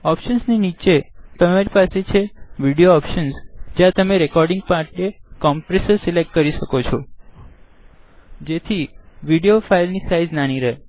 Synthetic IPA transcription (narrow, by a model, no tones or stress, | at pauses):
ɔpʃənsninit͡ʃet̪əmaɾipaset͡ʃʰeʋiɽijoɔpʃənsd͡ʒjãt̪əmeɾekɔɾɖiŋɡ̚paɾʈekɔmpɾesəɾsilek̚ʈ̚kəɾiʃəkot͡ʃʰɔ | d͡ʒet̪ʰiʋiɽiofailnisaid͡ʒnaniɾəɦe